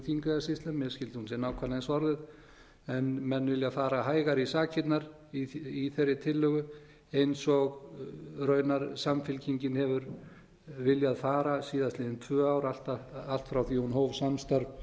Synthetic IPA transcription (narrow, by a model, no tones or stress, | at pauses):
θiŋkʏasɪst̪lʏmːɛðscɪlt̪ɪhunsɛnaːwkʰvaɾnansɔɾðɪð | ɛnmɛnːvɪljaðfaːɾaɦaːjɣaɾisaːcʰɪt̪naɾ | iiθerːɪt̪ʰɪlːœɣʏ | ejnsɔɣrœːɥnaɾsamfɪlcʰiɲcɪnhɛvʏɾ | vɪljaðfaːɾasiːðast̪lɪðɪnt̪ʰvœːawɾal̥t̪aal̥t̪fɾawθihunhoːwvsamst̪aɾ